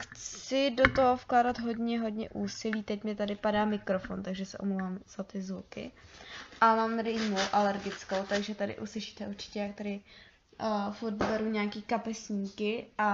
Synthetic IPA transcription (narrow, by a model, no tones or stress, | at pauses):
xt͡sɪdo̞t̪oɦofklaːdat̪ɦo̞dɲɛɦo̞dɲɛ̰ʔuːsɪliːt̪ɛcmɪt̪adɪpadaːmɪkɾofo̰nt̪aɡʒɛsɛ̰ʔomlowvaːmz̥at̪ɪzvukɪ̰ʔamaːmɾɪmuʔalɛɾɡɪt͡skowt̪aɡʒɛt̪adɪ̰ʔuslɪʃi̥ːt̪ɛʔuɾt͡ʃɪ̥cɛjak̚t̪adɪ | fuɾt̪bɛɾuɲaːkiːkapɛsɲiːkɪʔa